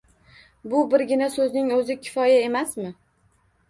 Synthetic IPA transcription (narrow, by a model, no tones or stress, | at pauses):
bʊbɪɾɡʲɪnasɵznɪŋɵzɪkʲʰɪ̥fɒjae̞masmɪ